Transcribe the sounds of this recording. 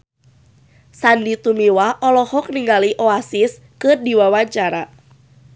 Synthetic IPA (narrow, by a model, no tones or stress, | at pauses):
sandit̪umiwaʔɔlɔhɔk̚niŋɡaliʔoasɪs | kɨrdiwawaɲt͡ʃaɾa